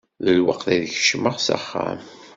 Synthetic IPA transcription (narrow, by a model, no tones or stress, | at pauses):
ðəlwəqθiðçə̥ʃməʁsa̰χːæ̰m